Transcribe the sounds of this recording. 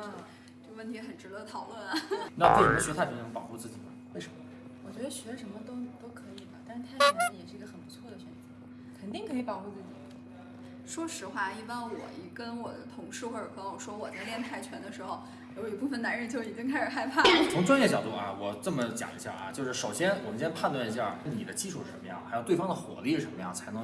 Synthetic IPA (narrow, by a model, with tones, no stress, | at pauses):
t͡ɕjo˥˧wə˥˩nt̪ʰi˧˥xə˨˩nʈ͡ʂɻ̩˧˥d̪ə˧t̪ʰɑ˨˩ʊlwə˥˩nɐ˩nʰ˥˩˨i˧˩˥ɕɛ˧˥t̪ʰa˥˩˧nə˧˥pɑ˨˩ʊxu˥˧t͡sɹ̩˥˩t͡ɕḭ˨˩mɐ˦we˥˩ɪʂə˧˥mə˦˩ | wɔ˨˩t͡ɕɥɛ˧˥d̪ə˧ɕɛ˧˥ə˥˩ʂə˧˥nmə˧t̪o˥ʊt̪o˥ʊkʰɤ˧˥i˨˩d̪ə˦t̪a˥˧ʂ̩˥t̪ʰa˥˩ɪt͡ɕʰɛ˧˥n̩˥˩jɛ˨˩ʂɻ̩˥˩˧ɡə˧xə˨˩npu˧˥t͡sʰwɔ˥˩d̪ə˩ɕɥɛ˧˥n˥˩ | kʰə˨˩nt̪i˥˩ŋkʰɤ˧˥i˧˥pɑ˨˩ŋxu˥˧t͡sɹ̩˥˩t͡ɕḭ˨˩ | ʂwɔ˥ʂɻ̩˧˥xwa˥˩i˥˩pa˥nwɔ̰˨˩i˧˥kə˥nwɔ˨˩d̪ə˦t̪ʰʊ˨˩ŋʂɻ̩˥˩xwɔ˥˩ə˨˩kə˧˥wɔ˨˩ʂwɔ˥wɔ˨˩t͡sa˥˧ɪljɛ˥˧nt̪ʰa˥˩ɪt͡ɕʰɥɛ˧˥nd̪ə˨˧ʂɻ̩˧˥xo˧ʊ | jo˧˥ʊi˨˩pu˥˩fə˩na˧˥nɻə˥˧nt͡ɕjo˥˩ʊi˨˩t͡ɕi˥ŋkʰa˥ɪʂɻ̩˨˩xa˥ɪpʰa˥t͡sʰʊ˧˥ŋʈ͡ʂwa˥njɛ˥˩t͡ɕjɑ˨˩ʊt̪u˥˩ʔa̰˧˩wɔ˨˩ʈ͡ʂɤ˥˩mə˩t͡ɕjɑ̰˨˩ŋi˧˥ɕja̰˥˩ʔɐ̰˧t͡ɕjo˥˧ʊʂɻ̩˥˩ʂo˨˩ʊɕjɛ˥nwɔ˨˩mə˦nt͡ɕjpʰa˥˧nt̪wa˥˩ni˧˥ɕja̰˥˩kə˥nni˨˩d̪ə˦t͡ɕi˥ʂʰu˥˩ʂɻ̩˥˩ʂə̰˧˥mə˧jɑ˥˩ŋxjʊt̪e˥˩fɑ˥ŋd̪ə˨xwɔ̰˨˩˦li˥˩ʂ̩˥˩ʂə˧˥nmə˧jɑ̰˥˩ŋt͡sʰa˧˥ɪnɤ˧˥